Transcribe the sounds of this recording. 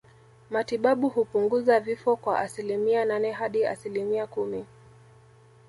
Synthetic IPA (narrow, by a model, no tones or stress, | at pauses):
matiɓaɓuhupuŋɡuzavifɔkwaʔasilimiananɛɦaɗia̰silimiakumi